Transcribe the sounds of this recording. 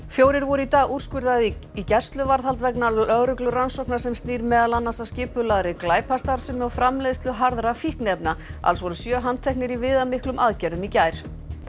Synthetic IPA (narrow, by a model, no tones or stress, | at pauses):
fjoːwɾɪɾvɔɾʏit̪aːɣur̥skʏɾðaðicɛr̥st̪lʏvaɾðhalt̪vɛknaœðɾʏklʏransowknḁsɛmst̪niːɾmɛːðalanːasascɪːpʏlaðɾɪklaːjpʰast̪aɾ̥sʏmɔfɾamlɛðst̪lʏɦaɾðɾafihknɛpnaa̰lsvɔɾʏsjœːɦant̪ʰɛhk̚nɪɾivɪːðamɪhklʏmʔaːðcɛɾðʏmicaːjɾ̥